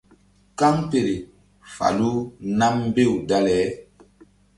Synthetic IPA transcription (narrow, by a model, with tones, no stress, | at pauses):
ka˦ŋpe˨ɾe˨ | fa̰˨lu˦na˦mː˦be˦˨wda˦lɛː˨˦